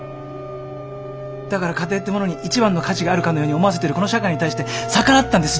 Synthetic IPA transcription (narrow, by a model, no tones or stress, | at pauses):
d̪akaɾakat̪e̞ːt̪ːemono̞ɲ̟iʔit͡ɕibãnːo̞kat͡ɕiɡaːɾɯ̟kanojo̞ːɲ̟io̞mo̞as̬e̞t̪eɾɯ̟ko̞no̞ɕakaiɲ̟it̪aiɕi̥t̪e̞sakanat̪ːãnd̪e̞sɨ